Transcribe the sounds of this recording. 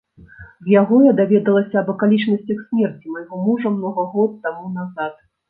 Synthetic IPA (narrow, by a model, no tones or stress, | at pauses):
zjaɣɔjad̪avʲɛd̪ɐlˠɐsʲɐɐbɐkalʲit͡ʂnɐsʲt͡sʲɐxsʲmʲɛrt͡sʲimajɣɔmuʐɐmnɔɣɐɣɔt̪ːamunazat̪̚